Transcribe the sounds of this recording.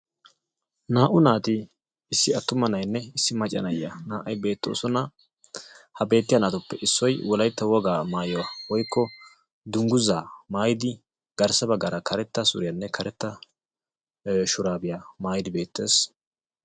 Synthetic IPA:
naːʔʊnaːt̪ɪ | ɪsːɪɐt̪ːʊmɐnɐjnːɛɪsːɪmɐt͡ʃʼːɐ̰nɐjːɐnaːʔɐjbe̞ːt̪ːo̰ːsɔnɐ | hɐbe̞ːt̪ːɪjanaːt̪ʊpːɛʔɪsːɔjwɔlɐjt̪ːɐwɔɡaːmaːjɔwawɔjkːɔ | d̪ʊŋɡʊzaːmaːjɪd̪ɪ | ɡ̥ɐɾsɐbɐɡɐɾɐkʰɐɾɛt̪ːɐsʊ̰ɾɪjɐnːɛkʰɐɾɛt̪ːɐ | ʃʊɾaːbɪjamaːjɪd̪ɪbe̞ːt̪ːe̞̰ːs

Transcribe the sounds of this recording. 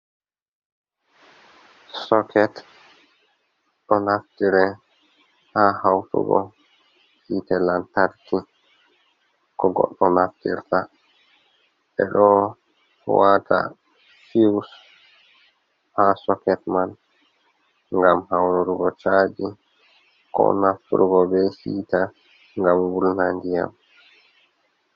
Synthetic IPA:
sɔkɛt | ɗɔnaftiɾɛ | hahawtṵɡɔ̰ | hitɛlantaɾki | kɔɡɔ̰ɗːɔnaftḭɾta | ɓɛ̰ɗɔ | wata̰ | fiws | hasɔkɛtman | ŋɡamhawɾuɾuɡɔt͡ʃaːd͡ʒi | kɔ̰naftṵɾuɡɔbɛsiːta | ŋɡamwulnandija̰m

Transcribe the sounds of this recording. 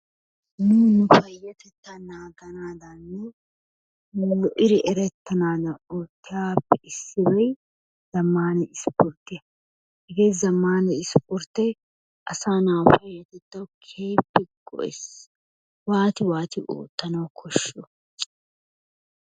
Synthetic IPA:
nunʊfɐjːɐt̪ɛt̪ːɐnaːɡɐnaːd̪ɐnːʊ | llɔʔɪɾɪʔɛɾɛt̪ːɐnaːd̪ɐnoːt̪ːɪjaːpːɛʔɪsːɪbɐj | z̥ɐmːaːnɛɪspɔɾt̪ːɪjɐ | hɪɡeːzɐmːaːnɛɪspɔɾt̪ːɛ | ʔɐsaːnawfɐjːɐt̪ɛt̪ːɐwkʰe̞ːpːɛɡɔ̰ʔɛs | waːt̪ɪwaːt̪ɪʔo̰ːt̪ːɐnɐwkʰɔʃːɔ

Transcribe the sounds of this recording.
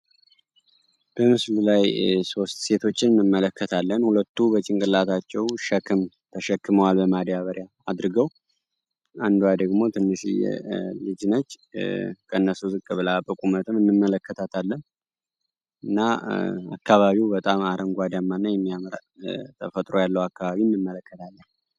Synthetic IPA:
b̥əmɨslulajso̞st̪se̞t̪ʰo̞t͡ʃːɪnɨnːɨmːələkʰːət̪ʰalːənhulət̪ːubət͡ʃʼɪŋkʼɨlːat̪ʰat͡ʃːɛwʃɛkʰɨm | t̪ʰəʃɛkːɨməwalbəmad̪jaβəɾja | ad̪ɾɨɡəw | and̪uwjad̪əɡmo̞t̪ʰɨnːɨʃḭjɛ̰lɨd͡ʒɨnət͡ʃː | kʰəɨnːəsuzɨkʼːɨβɨlapʼəkʼumət̪ʰɨmɨnːɨmːələkʰːət̪ʰat̪ʰalːən | ɨnːaa̰kːaβaβiwbət̪ʼamaɾəŋɡʷad̪amːanːajɛmːijamɾa̰t̪ʰəfət̪ʼɾo̞jalːəwakːaβaβinːɨmːələkːət̪ʰalːən

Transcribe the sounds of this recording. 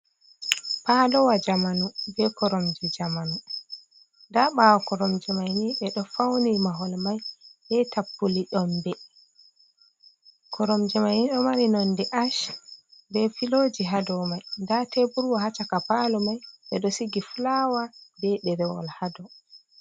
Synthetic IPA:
padɔwad͡ʒamanubɛkɔɾɔmd͡ʒɛd͡ʒamanu | ndaɓawɔkɔɾɔmd͡ʒɛmajniɓɛɗɔfawnimaɦɔlmajbɛtapːuliɗɔmbɛ | kʰɔɾɔmd͡ʒɛmajniɗɔmaɾinɔndɛʔaʃ | bɛfilod͡ʒiɦadɔmajndatebuɾwɔhat͡ʃakapalɔmajɓɛɗɔsiɡiflawabɛɓɛɾɛwɔ̰lhadɔ

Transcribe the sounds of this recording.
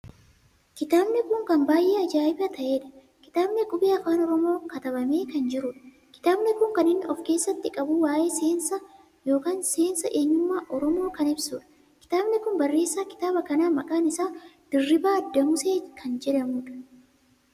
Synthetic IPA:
kɪt̪aːbnɪkʊŋkɐmbaːjʔeːɐd͡ʒaːɪbɐt̪ɐʔe̞ːᶑɐ̥ | kɪ̥t̪aːbnɪkʼʊbeːɐfaːnɔɾɔmo̞ːkɐt̪ɐbɐme̞ːkɐnd͡ʒɪɾʊᶑɐ̥ | kɪ̥t̪aːbnɪkʊŋkɐnɪnːɪʔɔfke̞ːsːɐt̪ːɪkʼɐbʊwaːʔe̞ːseːnsɐ | jo̞ːkaːnse̞ːnsɐʔe̞ːɲːʊmːaːʔɔɾɔmo̞ːkɐnɪbsuːᶑɐ̥ | kɪ̥t̪aːbnɪkʊnbɐrːe̞ːsːaːkɪ̥t̪aːbɐkɐnaːmɐkʼaːnɪsaːd̪̥ɪrːɪbaːɐd̪ːɐmʊseːkʰɐnd͡ʒɛᶑɐmuːᶑɐ̥

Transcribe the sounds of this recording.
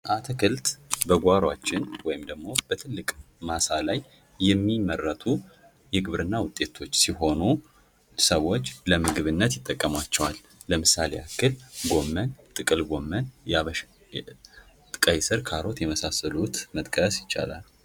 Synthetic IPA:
ʔat̪ʰəkʰɨlt̪ʼbəɡʷaɾwat͡ʃːɪnwɔjɪmd̪əɡmo̞b̥ət̪ʰɨlːɨkʼmasalajː | ɛmːimərːət̪ʰu | jɛɡɨβɾɨnːawʊt̪ʼːe̞t̪ʰo̞t͡ʃːsiɦo̞nu | səwo̞t͡ʃːləmɨɡɨβɨnːət̪jɪt̪ʼːəkʼːəmat͡ʃːɛwalː | əmɨsaleakːɨlɡo̞mːənt̪ʼɨkʼɨlɡo̞mːənjaβəʃ | t̪ʼɨkʼajsɨɾkʰaɾo̞t̪jɛməsasəlut̪mət̪ʼkʼəsjɪt͡ʃːa̰la̰l

